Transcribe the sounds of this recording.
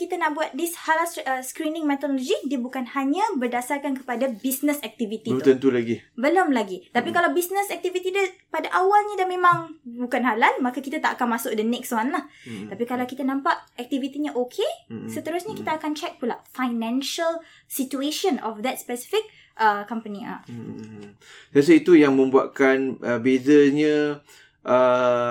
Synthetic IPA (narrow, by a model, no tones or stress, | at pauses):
kit̪anaʔbuat̪̚dishalaəskɾinɪ̃ŋmɛt̪ɔdɔlɔd͡ʒidiəbukanhaɲəbərdasarkankə̥padabisnəsɛk̚t̪ivit̪it̪ənt̪ulaɡibəlomlaɡit̪apikalawbisnəsɛk̚t̪ivit̪idəpadaʔawalɲədamẽmãŋbukanɦalanmakakit̪at̪aʔakanmasʊk̚dənɛkswanaht̪apikalawkit̪anãmpaʔɛk̚t̪ivit̪iɲaʔokʰesət̪əɾʊsɲakit̪aːkant͡ʃɛk̚tulakfajnɛ̃nʃəl | sit͡ʃueʃə̃nɔfd̪ɛt̪̚spɛsi̥fik̚ | ʔəkɔ̃mpənia̰ | sas̬əit̪ujaŋmə̃mbuaʔkanʔəbezaɲə̃ | ʔə